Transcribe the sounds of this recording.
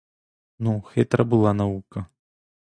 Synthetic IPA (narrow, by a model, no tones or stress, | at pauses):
nuxɛt̪ɾɐbɨlˠanavukɐ